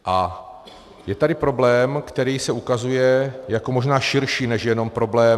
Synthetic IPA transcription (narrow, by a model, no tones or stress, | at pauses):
ʔa | jɛt̪adɪpɾo̞blɛːmkt̪ɛɾiːsɛukazujɛjakomoʒnaːʃɪɾʃiːnɛʃjɛno̞mpɾo̞blɛː